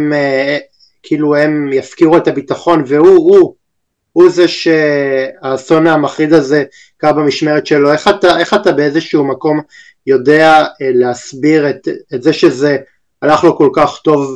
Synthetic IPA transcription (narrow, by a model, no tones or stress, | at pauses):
m | kʰiiluemjafkiʁuetabitaχo̞nve̞huu | huzeʃeaso̞naamaχʁid̪aze̞ | kabamiʃmeʁetʃe̞lo̞e̞χataʔe̞χatabe̞ezeʃuumako̞m | jo̞de̞aleasbiʁetetzeʃe̞ze̞ | alaχlo̞ko̞lkaχto̞v